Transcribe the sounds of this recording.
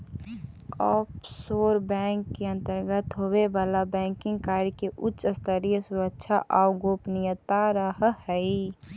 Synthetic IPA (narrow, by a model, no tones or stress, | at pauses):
ɔːpsoːɾbɛ̃ːŋkːeə̃nt̪əɾɡət̪ɦoweʋaːlabɛ̃ːŋkɪ̃ŋɡ̚kaːɾikeʔʊtːt͡ʃəst̪əɾijəsuɾəkʃʰaʔaʊɡoːpnijət̪aɾəɦhɛi